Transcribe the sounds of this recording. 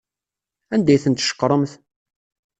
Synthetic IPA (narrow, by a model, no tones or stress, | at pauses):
ænd̪æjθənt̪ʃə̥qːɾˤəmθ